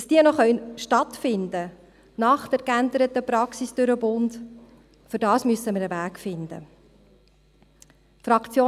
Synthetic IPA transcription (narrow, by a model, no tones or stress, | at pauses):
ɑsd̥iənɔχœnʃtɑtfɪnd̪ə | nɑχd̥ɛɾkænd̪əɾət̪əprɑksisd̥øɾəbʊnd | fʏɾdɑːsmyəsəməɾəvæːkfɪnd̪ə̰ | frɑkt͡sjoː